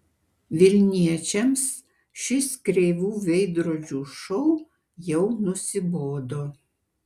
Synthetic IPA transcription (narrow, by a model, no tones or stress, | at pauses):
ʋʲɪlʲnʲiɛt͡ʃʲɛms | ʃʲɪskɾʲeɪʋuːʋʲɛɪd̪ɾoːd͡ʒʲuːʃɔʊ | jɛʊnʊsʲɪboːd̪oː